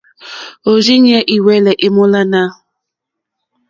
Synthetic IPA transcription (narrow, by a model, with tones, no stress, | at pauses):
o˨zi˦ɲ˦ɛ˦ʔi˨wɛ˦lɛ˨ʔɪ˦mʊ˦la˦na˦˨